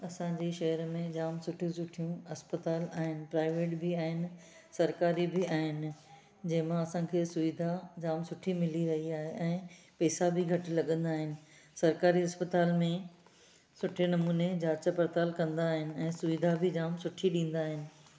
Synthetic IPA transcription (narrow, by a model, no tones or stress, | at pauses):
ɐsãd͡ʑeːʃɐɦəɾmẽd͡ʑaːmsʊʈʰijũsʊʈʰijũɐspət̪aːlaːɦɪnɪ̆pɾaːɪʋeːʈbɪaːɦɪnɪ̆ | sɐɾkaːɾibɪaːɦɪnɪ̆ | d͡ʑɐ̃ɦɪ̃mãɐsãkʰeːsʊʋid̪ʱad͡ʑaːmsʊʈʰimɪliɾɐɦiaːɦeʔɛ̃ːpɛːsabʱɪɡʱɐʈ̆lɐɠə̃nd̪aːɦɪnɪ̆ | sɐɾkaːɾiɐspət̪aːlmẽ | sʊʈʰenɐmuːned͡ʑaːt͡ɕapɐɾt̪aːlkɐ̃nd̪aːɦɪnɪ̆ɛ̃ːsʊʋid̪ʱabɪd͡ʑaːmsʊʈʰiɗĩːn̆d̪aːɦɪnɪ̆